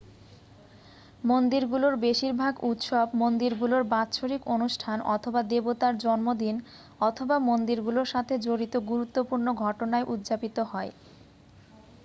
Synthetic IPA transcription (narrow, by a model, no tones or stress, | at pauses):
mond̪iɾɡuloɾbeʃiɾbʱaɡut̪ʃɔbmond̪iɾɡuloɾbatːɕʰoɾikonuʃʈʰanɔ̰t̪ʰobad̪ebot̪aɾd͡ʑɔnmod̪in | ɔt̪ʰobamond̪iɾɡuloɾʃat̪ʰed͡ʑoɾit̪oɡuɾut̪ːopuɾnoɡʱɔʈonaeʔud̪d͡ʑapit̪oɦɔe